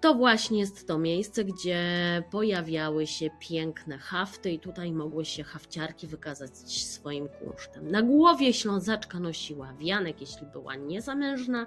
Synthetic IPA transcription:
t̪ɔvwaɕɲɛjɛst̪ːɔmʲjejst̪sɛɡd͡ʑɛpɔjavʲjawɘɕɛpʲjɛŋknɛxaft̪ɘit̪ut̪ajmɔɡwɘɕɛxaft͡ɕaɾkʲivɘkazat͡ɕsfɔjimkṵʂt̪ɛmnaɡwɔvʲjɛɕlɔ̃zat͡ʂkanɔɕiwavʲjanɛkjɛɕlʲibɘ̰wa̰ɲɛzamɛnʐna

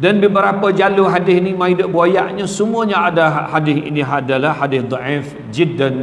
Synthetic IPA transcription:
danbəbəɾapad͡ʒaluɦadɪhnimãidəʔbuajaʔɲãsəmuaɲaadahadɪθḭniɦadalahhadɪhd̪ˤɔʔɪf | d͡ʒidːan

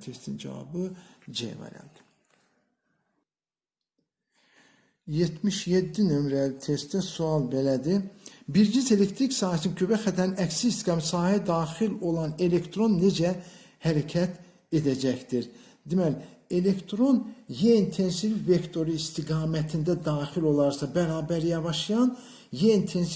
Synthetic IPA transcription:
t̪ʰest̪ind͡ʒɑ̰vɑ̰bɯd͡ʒḛjvɑ̰ɾɑ̰nd̪ | jet̪ʰmiʃjed̪ːinømɾælit̪ʰest̪d̪æsuɑlˠbelæd̪ibiɾd͡ʒinze̞le̞kt̪ʰɾiksɑːhæsinkʰøbæxæt̪ʰæɾinæksisɡɑmsɑːhæd̪ɑːxilo̞lˠɑne̞le̞kt̪ʰɾo̞nːe̞d͡ʒæ | hæɾæcʰæt̪ʰ | e̞d̪æd͡ʒæçd̪iɾ | d̪imæle̞le̞kt̪ʰɾo̞njent̪ʰe̞nsivifve̞kt̪ʰo̞ɾuist̪ʰiɡɑːmæt̪ʰind̪æd̪ɑːχilo̞lˠɑɾsɑbæɾɑːbæɾjɑvɑʃɯjɑn | jent̪ʰe̞ns

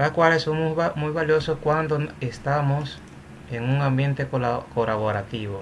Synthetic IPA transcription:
lakwalesomosmujβaljososkwand̪oest̪amos | eŋũŋãmbjẽnt̪ekokolaβoɾat̪iβo

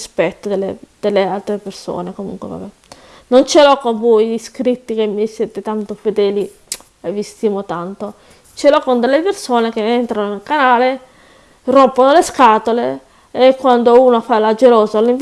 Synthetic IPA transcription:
spɛt̪ːod̪elːḛd̪̥elːealt̪ɾeperso̰ːnekomṵŋkwḛva̰bɛ | nont͡ʃelokoɱvojliskɾit̪ːik̟emːisjɛːt̪et̪ant̪ofed̪ɛːli | evːist̪imot̪ant̪o | t͡ʃelokond̪elːepersoːnekeent̪ɾanonelkanaːle | rompːonoleskaːt̪ole | ekːwand̪ouːnofalad͡ʒeloːzaliɱ

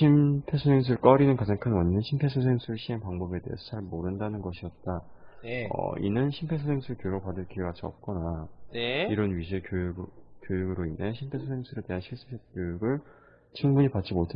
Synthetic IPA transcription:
ɕʰimpʰe̞sʰosʰe̞ŋs̬ʰɯɯɭk͈ʌɾinɯnkad͡ʑaŋkʰɯnwʌɲinɯnɕʰimpʰe̞sʰos̬ʰeŋsʰuɾɯɭɕʰiɦeŋpaŋbʌbe̞te̞ɦḛsʰʌt͡ɕaɭmoɾɯndanɯnɡʌɕʰiʌt̚t͈a | ʌ̰ḭnɯnɕʰimpʰe̞sʰosʰeŋsʰuɯɭkjojuɡopadɯɭk͈iɡat͡ɕʰiʌ̰p̚k͈ʌnaniɾʌnɥiɕʰiɭkjojukjojuɡɯɾoinɦe̞ɕʰimpʰe̞sʰosʰeŋsʰuɾete̞ɦanɕʰiɭs͈ɯ̥sʰep̚k͈jojuɡɯɭ | t͡ɕʰɯŋbuɲipatt͡ɕ͈imotʰe

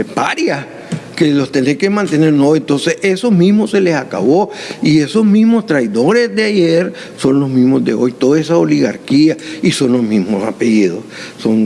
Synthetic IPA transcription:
paɾjas | kelost̪enekemãnt̪e̞ne̞ɾnoent̪o̞nse̞se̞somĩzmose̞lesaka̰βo̞ie̞so̞zmizmo̞st̪ɾajðo̞ɾe̞zd̪eaʝeɾ | so̞nlo̞zmizmozd̪e̞o̞jt̪oðoesaoliɣaɾkiaiso̞nlozmizmosa̰peʝiðo̰sso̞ŋ

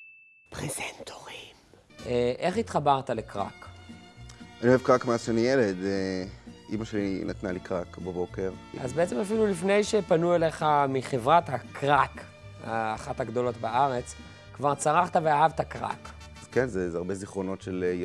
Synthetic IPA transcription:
pʁezent̪ʰoʁim | ʔeʔe̞χit̪χabaʁtale̞kʁa̰k | anioevkʁakmeaʃenijeled̪eʔḭmaʃeninat̪nalikʁakbabo̞keʁʔa̰zbeet͡semafilulifne̞jʃepanuele̞χamiχevʁathakʁak | ha̰ːχataɡd̪o̞lo̞tbaʔaʁe̞t͡s | kvaʁt͡saʁaχt̪aveaɦavtakʁa̰k | az̥kenzezaʁbe̞ziχʁo̞no̞tʃele

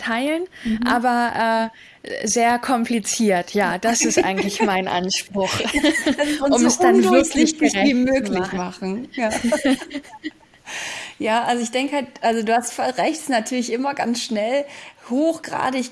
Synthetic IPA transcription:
tʰaɪlənʔʔaːbɐʔɛː | zeːɐkʰɔmplit͡siːɐtʰjaːd̥asɪstʔa̰ɪɡŋ̩tlɪçmaɪnʔa̰nʃpʁ̥ʊχd̥asʊmɛsd̥anvɪɐkʰlɪçɡ̥əʁɛiːmøːkmlɪçmaχn̩jaː | jaːʔalzoɪçd̥ɛŋkəhalt̚ʔalzoduːhastfɔʁɛçtsnatʰyːɐlɪçʔɪmɐɡa̰nsʃnɛlhoːxɡ̥ʁa̰ːdəɪç

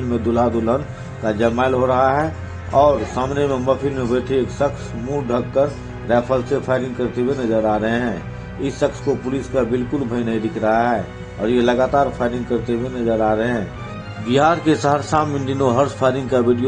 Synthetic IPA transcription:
nmẽd̪ʊlaːd̪ʊlən | kad͡ʒɛːmaːɪlɦoɾɐɦaɦɛ | ɔːɾsaːmnemẽməpʰɪnmẽbəːʈ̪ʰeeːksəksmũːɖʱəkːəɾ | ɾɛːpʰəlsepʰaːɪɾɪ̃ŋɡkəɾt̪ewenɐzəɾaːɾɐɦeɦɛ̃ː | ɪsːəkskopʊliskabɪlkʊlbʱəinəĩd̪ɪkʰɾəɦaɦɛː | ɔ̰ːɾjelɐɡaːt̪aːɾpʰaːɪɾɪ̃ŋɡkəɾt̪ewenɐzəɾaːɾɐɦeɦɛ̃ː | bɪɦaːɾkesaɦəɾsaːmɪ̃nd̪ɪnoɦɐɾspʰaːɪɾɪ̃ŋɡkaʋɪɖijo

